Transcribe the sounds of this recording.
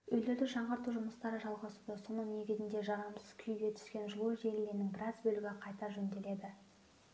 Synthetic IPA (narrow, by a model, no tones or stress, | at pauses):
ɵjle̞ɾd̪ɪʒɑɴʁɑɾt̪uʒʊməst̪ɑɾəʒɑlˠʁɑsud̪əso̞nəɴne̞ɡʲɪzɪnd̪e̞ʒɑʁɑmsəz̥kʲʰʏjɡʲe̞t̪ʰʏ̥skʲe̞nʒʊlˠuʒe̞lɪle̞ɾɪnɪŋbɪɾɑzbɵlɪɡʲɪqʰɑjt̪ɑɾʒɵnd̪e̞le̞d̪ɪ